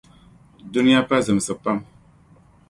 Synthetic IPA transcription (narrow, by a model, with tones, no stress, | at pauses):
du˦ni˦ja˦pa˦zɨ˨m˨sɨ˨pa˦m